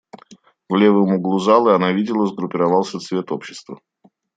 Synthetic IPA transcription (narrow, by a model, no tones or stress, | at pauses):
vlʲe̞vɨmʊɡlˠʊzalˠəɨɐnavʲidʲɪlˠəzɡɾʊpʲɪɾavalˠsʲət̪svʲe̞t̪opɕːɪst̪və̰